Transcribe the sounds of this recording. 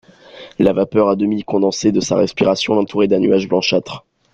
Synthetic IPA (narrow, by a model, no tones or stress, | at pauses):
lavapœʁad̪əmikɔ̃d̪ɑ̃sed̪əsa̰ʁɛspiʁasjɔ̃lɑ̃t̪ʰuʁed̪ɛ̃nyaʒblɑ̃ʃat̪χ